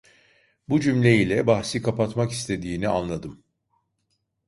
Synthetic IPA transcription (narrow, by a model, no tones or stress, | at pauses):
bud͡ʒymlʲe̞jilʲɛbahsikʰapat̪maki̥st̪ʰe̞d̪iːnianlˠad̪ɯm